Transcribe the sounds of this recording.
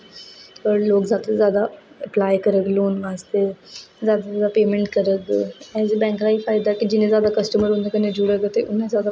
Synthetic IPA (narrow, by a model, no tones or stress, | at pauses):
pəɾloːkzaːt̪əzjaːd̪aəplaːjkəɾəkloːnʋaːst̪ezjaːd̪azaːd̪apeːmẽɳʈkəɾəkɛːzbɛ̃ːŋkɾaɦifaːjd̪akid͡ʒɪnẽzjaːd̪akəsʈəməɾɦõnd̪ekənẽd͡ʒuɽəɡt̪eʔʊnezjaːd̪a